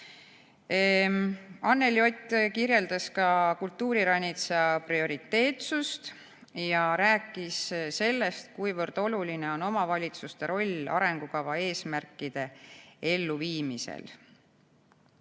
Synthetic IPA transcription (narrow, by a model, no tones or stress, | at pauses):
ɑnːe̞ljo̞t̪ʲːkirje̞ld̪̥ɑskɑkult̪ːuːɾiɾɑnʲːit̪seɑprio̞ɾit̪ːe̞ːt̪sust̪ | jɑɾæːkːˑisse̞lːe̞st̪̚kujvɤrd̪̥o̞luline̞o̞no̞mɑvɑlʲit̪sust̪e̞ɾo̞lʲɑ̰ɾe̞ŋɡ̥ukɑvɑe̞ːsmærkːˑid̪̥e̞e̞lːuviːmisḛl